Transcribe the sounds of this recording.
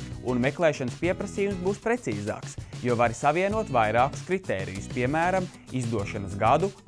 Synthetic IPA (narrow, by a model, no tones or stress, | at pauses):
unmeklˠɛːʃanspiɛpɾɐsiːjumsbuːspɾet̪siːza̰ːksjuɔvaɾisaviɛnuɔt̪vajɾaɑːku̥skɾit̪eːɾḭjuspiɛmæːɾam | izd̪uɔʃanəsɡad̪u